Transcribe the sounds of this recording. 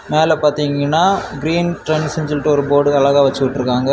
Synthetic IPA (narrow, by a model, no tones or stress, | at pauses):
meːlɛpaːɾt̪iːŋɡɐnːaːɡɪɾiːnʈɾɛnsɪɲd͡ʒɪlʈːɯɔɾɯboːɽɯɐlɐɣaːʋɐt͡ʃːɯkɪʈːɯɾɯkːaːŋɡɐ